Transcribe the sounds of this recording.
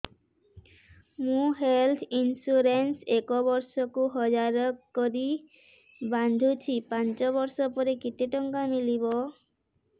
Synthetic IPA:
mũɦelt̪ʰinsuɾensekobɔɾsɔkuɦɔd͡ʑaɾɔkoɾi | band̪ʱut͡ɕʰipant͡ɕɔbɔɾsɔpɔɾekit̪eʈɔŋkamilibo

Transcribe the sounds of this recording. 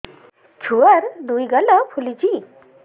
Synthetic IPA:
t͡ʃʰuaɾd̪ujɡalɔpʰulid͡ʒi

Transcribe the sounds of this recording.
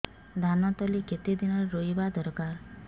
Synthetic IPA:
d̪ʱanɔt̪ɔliket̪id̪inɔɾɾojbad̪ɔɾkaɾ

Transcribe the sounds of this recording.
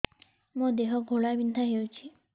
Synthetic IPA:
mə̃d̪eɦɔɡʱoɭabind̪ʱaɦeut͡ʃʰi

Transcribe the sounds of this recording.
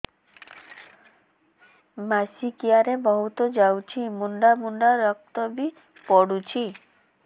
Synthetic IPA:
masikijaɾebɔɦut̪ɔd͡ʒawt͡ʃʰimuɳɖamuɳɖaɾɔk̚t̪ɔbi | pɔɽut͡ʃʰi

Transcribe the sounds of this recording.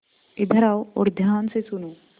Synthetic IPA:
id̪ʱɐɾaːwoɾd̪ʱjaːnsesunuː

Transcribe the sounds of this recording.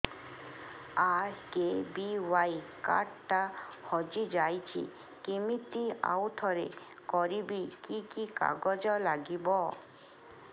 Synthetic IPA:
aɾkebiwajka̰ʈʈahɔd͡ʑid͡ʑajt͡ɕʰḭ | kimit̪ia̰wt̪ʰɔɾe | kɔɾibikikika̰ɡɔd͡ʑɔlaɡibɔ

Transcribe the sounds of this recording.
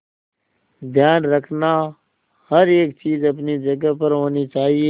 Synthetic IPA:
d̪ʱjaːnɾəkʰnaː | həɾeːkt͡ʃiːzəpnid͡ʒəɡəpəɾɦoːniːt͡ʃaːɦieː

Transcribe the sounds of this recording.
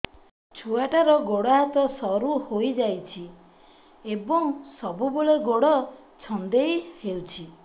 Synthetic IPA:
t͡ʃʰuaʈaɾɔɡoɽɔɦat̪ɔsɔɾuhojd͡ʒajt͡ʃʰi | ebɔŋsɔbuboɭeɡoɽɔ | t͡ʃʰɔnd̪ejhewt͡ʃʰi

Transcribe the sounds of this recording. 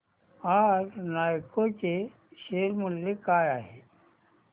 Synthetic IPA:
aɾnaːjkot͡ɕe | ʃeːɾmʊljekaːjaːɦe

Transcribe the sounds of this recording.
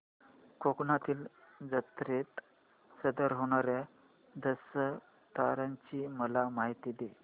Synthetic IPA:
kʰoknat̪iːld͡zət̪ɾet̪ | səd̪əɾɦoɽ̃aɾja | d̪əsə | t̪aɾãɲt͡ɕiːməlamaɦit̪iːd̪e

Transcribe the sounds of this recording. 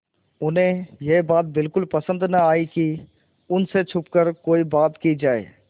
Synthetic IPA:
ʊnɦẽjebaːt̪̚bɪlkʊlpəsə̃nd̪nɐaːiki | ʊnset͡ʃʰʊpkəɾkoːibaːt̪kid͡ʒaːḛː

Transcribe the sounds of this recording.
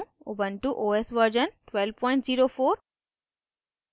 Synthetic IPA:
ubənʈuʔoːesʋəɾd͡ʒənʈʋelʋpɔ̃ɪ̃ɳʈziːɾofoːɾ

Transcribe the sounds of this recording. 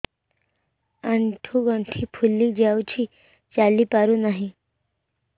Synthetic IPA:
aɳʈʰuɡʌɳʈʰipʰulːid͡ʒawt͡ʃʰi | t͡ʃalipaɾunaɦĩ

